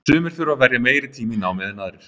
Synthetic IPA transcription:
ʏːmɪɾ̥θɪɾavɛɾjameːjɾɪt̪ʰiːminaːwmɛðɪnaðɾɪɾ̥

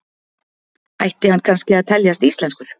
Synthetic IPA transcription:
a̰jht̪ɪhanːkʰanscɪaðt̪ʰɛljast̪ist̪lɛnskʏɾ̥

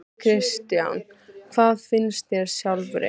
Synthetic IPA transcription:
kʰɾɪst̪ja̰n | kʰvaːðfɪnst̪jɛɾ̥sjawlvɾḛ

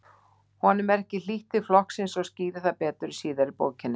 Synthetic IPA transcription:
hɔnʏmɛɾɛhcɪl̥iht̪ɪflɔhksɪnsɔwsciːðɪθaðpɛːt̪ʏɾisiːðaɾɪpo̰ːwcʰɪnːɪ

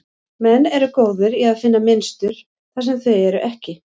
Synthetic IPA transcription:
mɛnːɛɾʏkoːwðʏɾiaðfɪnːamɪnst̪ʏɾ̥ | θasɛmθœɥjɛɾʏʔɛhcɪ

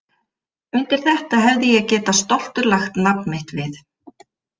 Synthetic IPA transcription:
ʏnt̪ɪɾ̥θɛht̪aɦɛvðɪjɛacɛːt̪ast̪ɔl̥t̪ʏɾlaxt̪napnmɪht̪vɪθ

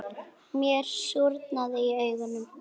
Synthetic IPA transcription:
mjɛɾ̥sjuɾt̪naðɪiœɥɣʏnːʏm

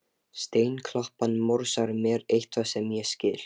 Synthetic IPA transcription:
st̪eːjnkʰlɔhpanmoɾsaɾmjɛɾejht̪ʰvasɛmjɛscɪːl̥

